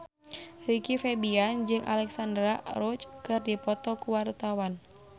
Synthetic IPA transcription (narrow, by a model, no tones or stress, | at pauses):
rikifɛbiand͡ʒɨŋʔa̰lɛksandɾaɾɔt͡ʃkɨrdipɔt̪ɔkuwart̪awan